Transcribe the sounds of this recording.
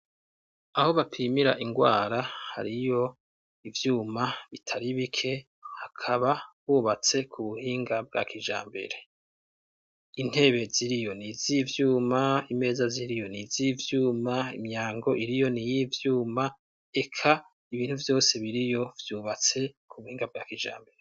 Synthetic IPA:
aho̞βapʰiːmiɾaʔiŋɡwaːɾaha̰ɾijo̞ | ivjuːmaβitʰaɾiβikʰe̞ | hakʰaβaβuːβat͡se̞kʰuβuhiːŋɡab̚ɡa̰ːkʰiʒa̰ːmbe̞̰ɾe̞ | in̥he̞βe̞ziɾijo̞nizivjuːmaime̞ːzaziɾijo̞nizivjuːmaḭmɲaːŋɡo̞ʔiɾijo̞nijivjuːma | e̞kʰa | iβiːn̥huvjo̞ːse̞βiɾijo̞vjuːβat͡se̞kʰuβuhiːŋɡab̚ɡa̰ːkiːʒa̰ːmbe̞ɾe

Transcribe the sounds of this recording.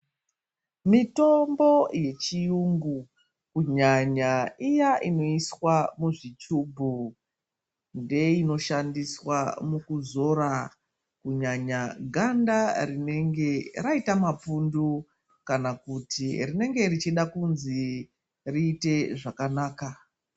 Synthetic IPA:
mito̞mbo̞je̞t͡ʃijuŋɡu | kuɲaɲaijaʔino̞iswamuʐit͡ʃuːbʱu | nde̞ino̞ʃandiswamukuzo̞ɾa | kuɲaɲaɡʱandarine̞ŋɡe̞raitamap͡fundu | kanakutirine̞ŋɡe̞rit͡ʃiɗakunzi | riːte̞ʐakanaːka

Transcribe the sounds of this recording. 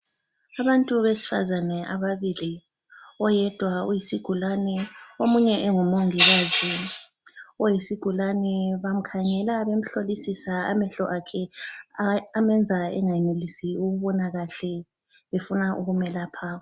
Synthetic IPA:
aβantʼuβesi̥fa̰zanɛʔaβaβili | ɔjɛd̥ʱwaujisiɡ̥ʱulanɛomuɲɛʔɛŋumoŋiɣazi | ɔjisiɡ̥ʱulanɛβam̩kʰaŋɛlaβem̩ɬolisisaa̰mɛɬɔʔakʰɛ | amɛnd͡zʱaɛ̰ŋajɛnelisiuɣuβɔnaɣaɬɛ | βefunaʔuɣumɛlapʰa

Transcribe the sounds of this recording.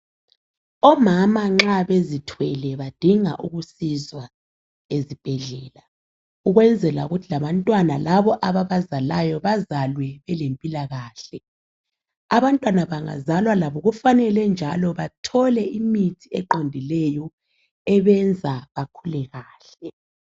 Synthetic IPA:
ɔmamaŋ͡ǁaβezitʰwɛlɛβad̥ʱiŋa̰ʔuɣusizwa | ezib̥ʱɛɮɛːla | uɣwɛnd͡zʱɛla̰uɣutʰilaβantʼwanalaβɔʔaβaβazalajɔβazalwɛβɛlempʼilaɣaːɬɛ | aβantʼwanaβaŋa̰zalwalaβɔɣufanɛlɛnd͡ʒʱalɔβatʰɔlɛimitʰiɛǃondʱilɛjɔ | ɛβɛnd͡zʱaβakʰulɛɣaːɬɛ

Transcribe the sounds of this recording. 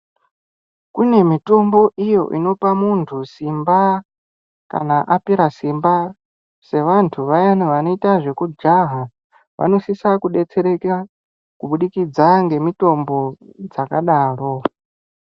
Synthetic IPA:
kune̞mito̞mbo̞ʔijo̞̰ʔḭno̞pamuntʰusimba | ka̰naʔapiɾasimba | se̞ʋantʰuʋajanuʋano̞itaʐekud͡ʒaɦa | ʋa̰no̞sisakuɗet͡sʰeɾeka | kuɓuɗikid͡zaŋɡe̞mito̞mbo̞d͡zakaɗaːɺo

